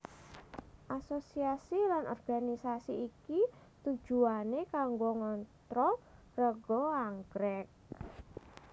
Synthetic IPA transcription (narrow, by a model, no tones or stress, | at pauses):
ʔasosiasilanʔɔ̰rɡ̥anisasiːki | t̪ud̥ʒ̥ṳanekaŋɡoŋɔnt̪ɾɔ | rəɡ̥ɔaŋɡɾɛk̚